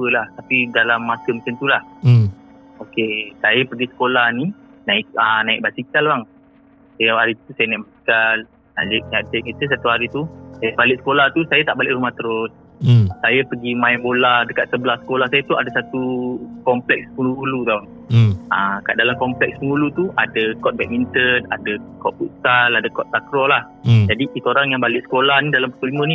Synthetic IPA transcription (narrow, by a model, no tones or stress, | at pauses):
pəlaht̪apidalamːasəmət͡ʃənt̪ulah | okesajapəɡisə̥kolahni | naɪʔənaɪ̰k̚basikalbaŋ | sajaaɾit̪usajənaiʔbasi̥kal | na̰ʔd͡ʒʔ̚naʔ̚t̪ʔkit̪əs̬at̪uɦaɾit̪usajəbalɪʔsə̥kolat̪usajat̪aʔbalɪʔɾumaht̪əɾʊs | sajapəɡimãɛbolahdəkat̪̚səblahsə̥kolahsajat̪uadasat̪ukɔmplɛk̚spəŋuulut̪aw | ãka̰ʔdalamkɔmplɛkspəŋulut̪uʔadakɔt̪̚bɛk̚mint̪əna̰dakɔt̪̚pusaladakɔt̪̚sakɾɔlah | d͡ʒadiit̪oɾaŋjaŋbalɪʔsə̥kolahnidalampət̪ulimə̃ni